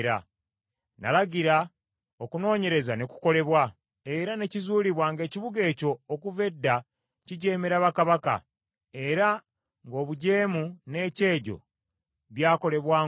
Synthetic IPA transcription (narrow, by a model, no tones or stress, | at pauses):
ɾa̰ | na̰laɟiɾa | okuno̞ːɲe̞ɾe̞zaneku̥ko̞le̞βwa | e̞ɾane̞cizuːliβwaŋɡe̞ːciβuɡe̞ːco̞ːkuve̞dːa | ciɟe̞ːmeɾaβakaβaka̰ | e̞ɾa | ŋɡo̞ːβuɟe̞ːmune̞ːce̞ːɟo̞̰ | βjaːko̞le̞βwaː